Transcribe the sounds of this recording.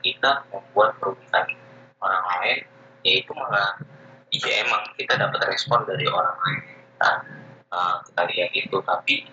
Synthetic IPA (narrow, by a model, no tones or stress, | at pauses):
kit̪aməmbuat̪̚kəɾubikan | oɾaŋlaɪn | jait̪umakaid͡ʒiemaŋkit̪adapat̪rɛspɔndaɾiʔoɾaŋlaɪnkit̪a̰əmki̥t̪aɾiaŋit̪ut̪api